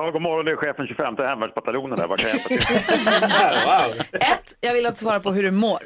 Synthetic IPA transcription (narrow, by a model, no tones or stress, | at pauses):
hɔlɡɔmɔɾɔnd̪ɛɾɧeːfənɕɵfɛmt̪əhɛmːvæɖʂbat̪aluːnənd̪æ̰ɾvaɾkʰanjɛfat | ɛt̪ːjɑːɡvɪlːat̪svɑːɾaɾpʰɔɦɵɖɵmoːɾ